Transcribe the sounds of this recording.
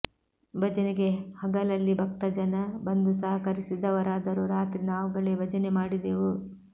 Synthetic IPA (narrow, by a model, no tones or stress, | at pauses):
bʱɐd͡ʒɐneɡe̞hɐɡɐlɐlːibʱɐkt̪ɐd͡ʒɐnɐbɐnd̪us̬ɐɦɐkɐɾisid̪ɐʋɐɾaːd̪ɐɾuɾaːt̪ɾinaːʋuɡɐɭebɐd͡ʒɐnemaːɽid̪eʋu